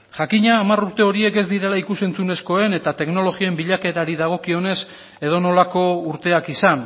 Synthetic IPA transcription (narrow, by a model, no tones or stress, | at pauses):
ʝakiɲaːmaruɾt̪e̞o̞ɾie̞ke̞zd̪iɾe̞laikuse̞nt͡sune̞sko̞e̞ne̞t̪at̪e̞kno̞lo̞ɣioe̞mbiʎake̞t̪aɾiðaɣ̞o̞kio̞ne̞s | e̞ð̞o̞no̞lako̞uɾt̪e̞akisan